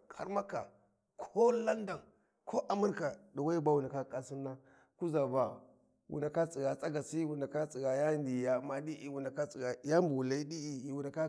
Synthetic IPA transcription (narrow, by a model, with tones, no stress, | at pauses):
kʰa̰˦ɾma˦ka̰˨ | kʰo˦la˦nda˨n | kʰo˦ʔa˨mu˦ɾka˨da˨wa˦i˦ba˦wu˨na˨ka˦kʼa˨si˦nːa˦ | ku˦za˨ba˨ | wṵ˨na˨ka˦t͡sʼi˨ɡa˨t͡sʼa˦ɡa˨si˦wu˨na˨ka˦t͡si˨ɡa˨ja˦ndi˨ja˦ma˦di˦ʔi˨wu˨na˨ka˦t͡si˨ɡa˨ja˦mbu˨la˦i˦di˦i˨wu˨na˨ka˦